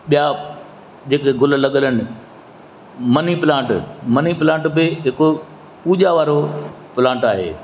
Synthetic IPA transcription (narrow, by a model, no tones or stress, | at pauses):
ɓija | d͡ʑeːkeɡʊl̆lɐɠələnɪ̆ | mɐniplãːɳʈmɐniplãːʈbɪɦɪko | puːʄaʋaːɾopɪlãːɳʈaːɦḛː